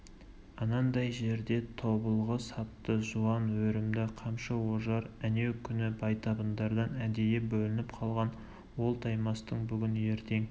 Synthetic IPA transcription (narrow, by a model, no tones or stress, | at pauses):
ɑnɑnd̪ɑjʒe̞ɾd̪e̞t̪ʰo̞bəlˠʁəsɑp̚t̪əʒuɑnwɵɾɪmd̪ɪqʰɑmʃɑwoʒɑɾæne̞wkʲʰʏnɪbɑjt̪ʰɑbənd̪ɑɾd̪ɑnæd̪ejebɵlɪnɪpqʰɑlˠʁɑn | wo̞lˠt̪ʰɑjmɑst̪əɴbʏɡʲɪnje̞ɾt̪e̞ŋ